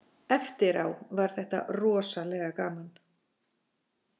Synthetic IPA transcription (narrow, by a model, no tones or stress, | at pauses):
ɛft̪ɪɾawvaɾ̥θɛht̪a̰rɔːsalɛɣakaːman